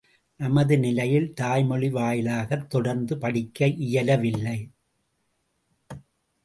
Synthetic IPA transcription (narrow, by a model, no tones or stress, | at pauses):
nɐmɐðɯnɪlɐjɪlt̪aːjmɔɭɪʋaːjɪlaːɣɐt̪ːɔɽɐɾnd̪ɯpɐɽɪkːɐɪʔɪjɐlɐʋɪlːɐɪ